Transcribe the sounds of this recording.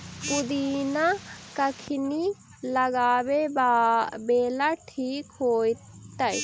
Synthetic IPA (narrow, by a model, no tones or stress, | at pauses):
pʊd̪iːnakɐkʰɪni | lɐɡaːbebabeːlaʈʰiːkɦoːjt̪əj